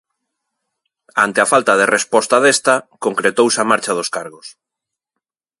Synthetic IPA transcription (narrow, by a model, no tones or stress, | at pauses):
ant̪eafalt̪aðerespɔst̪aðest̪akoŋkɾet̪owsamaɾt͡ʃað̞oskaɾɣos